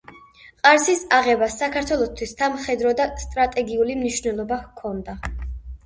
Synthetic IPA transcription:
qʼaɾsisaʁɛbasːakʰaɾt̪ʰwɛlˠɔst̪ʰwistamχɛd̪ɾɔd̪ast̪ʼɾat̪ʼɛɡiulimniʃvnɛlˠɔbakʰɔnd̪a

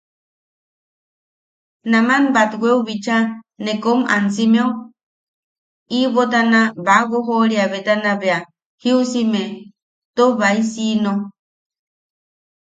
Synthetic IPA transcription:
namanbat̪wʷeuβit͡ʃanekoma̰nsimeu | iβot̪̬anaβaɣoɦoɾiaβet̪anaβea | hiusime | t̪oβaisino

